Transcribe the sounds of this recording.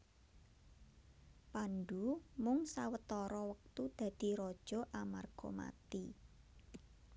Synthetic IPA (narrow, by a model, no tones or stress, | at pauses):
panɖumʊŋsawət̪ɔɾɔwək̚t̪ud̪̥ä̤d̪̥i̤ɾɔd̥ʒ̥ɔ̤ʔamarɡ̥ɔma̰t̪i